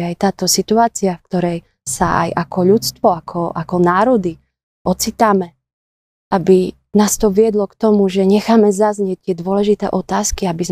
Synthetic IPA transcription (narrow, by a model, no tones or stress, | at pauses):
ajt̪aːt̪ɔsit̪uaːt͡siafkt̪ɔɾɛj | sa̰a̰jakɔʎut͡st̪ʋɔakʰɔʔakɔnaːɾɔd̪i | ʔɔt͡sit̪aːmɛ | ʔabi | naːst̪ɔʋɪɛd̪lɔkt̪ɔmuʒɛɲɛxaːmɛzazɲɪɛc̚t̪ɪɛd̪ʊɔlɛʒit̪ɛ̰ːʔɔt̪aːskiabiz